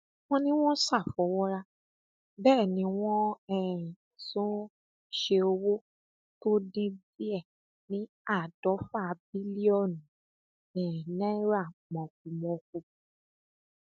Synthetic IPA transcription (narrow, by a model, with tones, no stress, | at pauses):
wɔ̃˦nĩ˦w̃ɔ̃˦sa˦˨fɔ˨˦wɔ˦ɾa˧ | bɛː˦˨nĩ˨˧˦w̃ɔ̃˦ɛ˦˨ĩ˨sũ˦ | ʃe˧o˧wo˦ | to˦dĩ˧bi˦ɛ˦˨ | nĩ˨˦ | a˦˨d̥ɔ˨˦fa˦˨˧bi˦li˦ɔ˦˨ñ˨ | ɛ̃˨nɛ̃˦ɾa˦˨mɔ̃˨k̚u˨mɔ̃˧k̚ũ˧˨